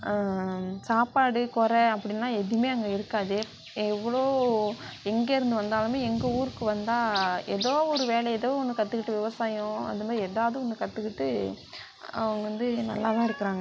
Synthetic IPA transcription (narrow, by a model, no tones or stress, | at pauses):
saːpaːɽɯkɔɾɛɐpːɐɽɪnːaːɛðɯjmeːɐɐŋɡɐɪɾɯkːaːðɯ | ɛʋːɐɭoː | ɛŋɡeɪɾɯnd̪ɯʋɐnd̪aːlɯmeːɛŋɡɐuːɾɯkːɯʋɐnd̪aːɛ̰ðoːɔɾɯʋeːlɛɛðoːɔnːɯkːɐt̪ːɯkːɪʈːɯʋɪʋɐsaːjʊ̃ɐ̰ðɯɐmaːd̪ɾɪɛðaːʋɐðɯɔnːɐkɐt̪ːɯkːɪʈːɯ | ɐ̰ʋɐŋɡɐʋɐnd̪ɯnɐ̰lːaːlãːɪɾɯkːɐɾaːŋɡɐ